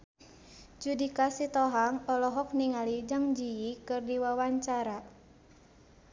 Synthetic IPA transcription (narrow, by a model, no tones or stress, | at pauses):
d͡ʒudikasit̪ɔɦaŋɔlɔɦɔk̚niŋalid͡ʒaŋd͡ʒiikɨrdiwawaɲt͡ʃaɾa